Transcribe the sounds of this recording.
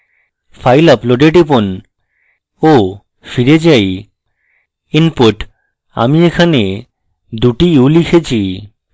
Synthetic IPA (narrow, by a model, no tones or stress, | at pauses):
fʰajlɔploɖeʈipon | o | fiɾed͡ʑaj | inpoʈ | a̰miekʰane | d̪uʈiulikʰet͡ɕʰi